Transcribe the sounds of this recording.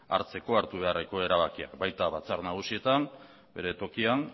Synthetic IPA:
a̰ɾt͡se̞ko̞aɾt̪uβ̞e̞areko̞e̞ɾaβ̞akia̰kbajt̪aβat͡saɾnaɣ̞usie̞t̪an | be̞ɾe̞t̪o̞kian

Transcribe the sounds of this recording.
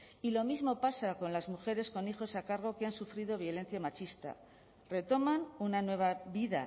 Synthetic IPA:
ilo̞mizmo̞pasako̞nlazmuxe̞ɾe̞sko̞nixo̞sakaɾɣ̞o̞keansufɾið̞o̞β̞jo̞le̞nθjamat͡ʃist̪a̰ | re̞t̪o̞manunanwe̞β̞aβiða̰

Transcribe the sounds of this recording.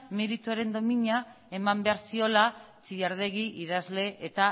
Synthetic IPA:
meɾit̪uaɾe̞nd̪o̞miɲa | e̞mambe̞aɾsio̞la | t͡sijaɾðe̞ɣiʔið̞azle̞ʔet̪a

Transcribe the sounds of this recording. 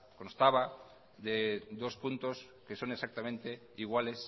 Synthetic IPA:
ko̞nst̪aβa | ðeðo̞spunt̪o̞s | ke̞so̞nesak̚t̪amẽ̞nt̪e̞ | iɣ̞wale̞s

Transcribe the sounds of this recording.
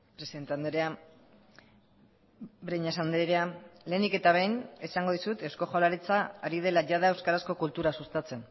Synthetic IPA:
pɾe̞siðe̞nt̪e̞and̪eɾea | bɾejɲasand̪ɾeɾeale̞ːnike̞t̪aβ̞ejnesaŋɡo̞ð̞isut̪e̞wsko̞ʝalaɾit͡saːɾið̞e̞laʝaðaewskaɾasko̞kult̪uɾasust̪at͡se̞n

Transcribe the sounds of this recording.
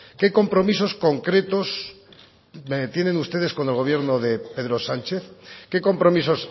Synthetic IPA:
ke̞ko̞mpɾo̞miso̞sko̞ŋkɾe̞t̪o̞s | t̪je̞nẽ̞nust̪e̞ð̞e̞sko̞ne̞lɣo̞β̞je̞ɾnoðe̞pe̞ðɾo̞sant͡ʃe̞θke̞ko̞mpɾo̞miso̞s

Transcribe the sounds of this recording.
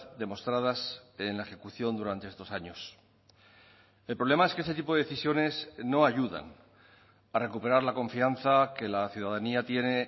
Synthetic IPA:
d̪e̞mo̞st̪ɾaðase̞nlaexe̞kuθjo̞nd̪uɾant̪ee̞st̪o̞saɲo̞s | e̞lpɾole̞mae̞skees̬e̞t̪ip̬o̞ðe̞eθisjo̞ne̞sno̞aʝuða̰n | are̞kupe̞ɾaɾlako̞ɱfian̟θake̞laθjuðaðaniat̪je̞ne̞

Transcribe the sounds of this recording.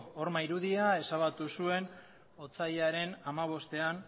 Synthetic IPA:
oɾmaiɾuð̞iae̞saβat̪usue̞n | o̞t͡saʎaɾe̞namaβ̞o̞st̪e̞an

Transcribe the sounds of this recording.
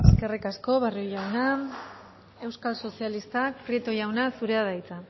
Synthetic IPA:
eske̞rikasko̞βarijojawna | e̞wskalso̞sialist̪akpɾiet̪oʝawnasuɾe̞að̞ajt͡sa

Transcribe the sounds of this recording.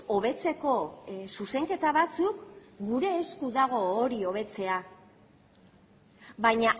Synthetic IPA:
o̞β̞e̞t͡se̞ko̞suse̞ŋke̞t̪aβat͡sukɡuɾe̞ːskuðaɣ̞o̞ːɾio̞β̞e̞t͡se̞a | βajɲa

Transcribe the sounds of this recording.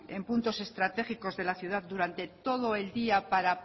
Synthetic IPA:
e̞mpunt̪o̞se̞st̪ɾat̪e̞χiko̞zðe̞laθjuð̞aðd̪uɾant̪e̞t̪o̞ð̞oe̞ld̪iapaɾa

